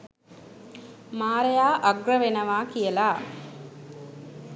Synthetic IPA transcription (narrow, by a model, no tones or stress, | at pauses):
maːɾejaːʔɐɡrəʋenɐʋaːkijəlaː